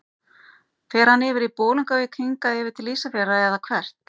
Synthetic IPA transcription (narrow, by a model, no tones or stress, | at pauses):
θɛːɾ̥hanːɪːvɪɾipoːluŋkavɪkʰiŋkaɛːvɪɾt̪ʰɪlːiːsafɛraɛðakʰvɛr̥t̪